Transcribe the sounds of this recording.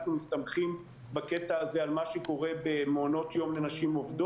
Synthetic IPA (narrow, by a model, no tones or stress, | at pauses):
χnumist̪amχim | bake̞t̪aːzealmaʃeko̞ʁe̞bemeono̞t̪jo̞mlenaʃimo̞vd̪o